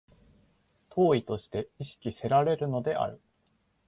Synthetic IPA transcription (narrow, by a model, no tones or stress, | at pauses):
t̪ʰo̞ːit̪o̞ɕi̥t̪e̞iɕi̥kʲise̞ɾaɾe̞ɾɯ̟no̞d̪e̞ʔa̰ɾɯ̟